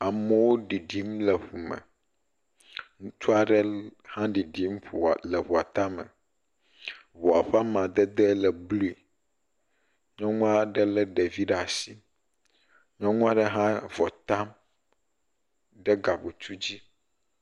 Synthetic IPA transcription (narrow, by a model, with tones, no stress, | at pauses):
a˨mɛ˦wo˦ɖi˨ɖi˦mlɛ˨ɸu˨mɛ̰̃˨ | ŋũ˦t̪u˦a˨ɖɛ˦hã˦ɖi˨ɖi˦mɸu˨lɛ˨ɸu˨a˨t̪a˦mɛ̰˨ | βu˨a˨ɸa˦mã˨d̪ɛ˦d̪ɛ˦lɛ˨blu˦i˨ | ɲɔ̃˦ŋũ˦a˨ɖɛ˦lɛ˦ɖɛ˨vi˦ɖa˨si˦ | ɲɔ̃˦ŋũ˦a˦ɖɛ˦ɦã˦vɔ˨t̪a˦m | ɖɛ˦ɡa˨bu˨t͡ʃ̪u˦d͡ʑi˦